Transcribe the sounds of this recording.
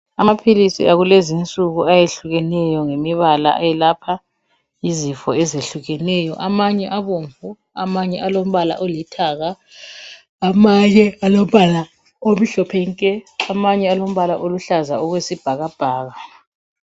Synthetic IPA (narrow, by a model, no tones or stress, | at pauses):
amapʰilisḭaɣulezint͡sʼuɣuajeɬuɣɛnɛjɔŋemiβala̰ʔajɛlapʰa | izifɔɛzeɬuɣɛnɛjɔ̰ʔamaɲɛʔaβoɱvu | a̰maɲɛʔalom̩βala̰ʔɔlitʰaːɣaː | maɲɛalom̩βala | om̩ɬɔpʰɛŋkʼɛamaɲɛalom̩βalaʔoluɬazaɔɣwesib̥ʱaɣab̥ʱaːɣa